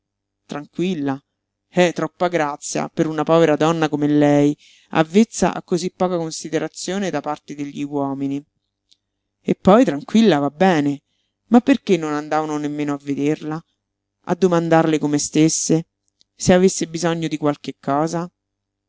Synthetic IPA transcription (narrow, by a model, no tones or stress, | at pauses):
t̪ɾaŋkwilːa | ɛt̪ːɾɔpːaɡɾat̪sːja̰peɾunapɔːveɾad̪ɔnːakomelɛj | a̰vːet̪sːa̰ʔa̰kːozipːɔːkakonsid̪eɾat̪sːjoːned̪apart̪ed̪eʎːiwɔːmini | epːɔjt̪ɾaŋkwilːavabːɛːne | mapːerkenːonand̪aːvanonemːeːnoavːed̪erla | ʔa̰d̪ːomand̪arlekomest̪esːe | seavesːebizɔɲːod̪ikwalkekːɔːza